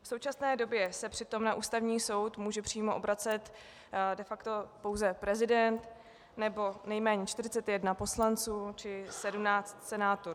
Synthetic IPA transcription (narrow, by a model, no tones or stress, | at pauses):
fso̞wt͡ʃasnɛːdo̞bjɛsɛpr̥ɪt̪o̞mnaʔuːst̪avɲiːso̞wt̪muːʒɛpr̥iːmoʔobɾat͡sɛt̪ | dɛfakt̪o̞po̞wzɛpɾɛzɪdɛnt̪ | nɛbo̞nɛjmɛːɲɛt͡ʃt̪ɪr̝ɪt͡sɛt̪jɛdnapo̞slant͡suːt͡ʃɪsɛdumnaːt͡st̪sɛnaːt̪uɾ